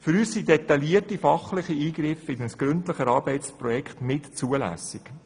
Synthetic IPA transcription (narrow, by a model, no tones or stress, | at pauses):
fʏɾyːssidet̪ːɑliətifɑχlɪχiiːɡɾɪfɪdənsɡ̥ɾʏntləχəɾɑːɾb̥ɛɪtt͡spɾɔjɛkχtnɪtt͡suəlæ̰sɪk